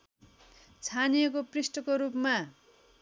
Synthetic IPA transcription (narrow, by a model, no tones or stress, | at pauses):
t͡sʰanijʌkoprisʈʌkoɾupma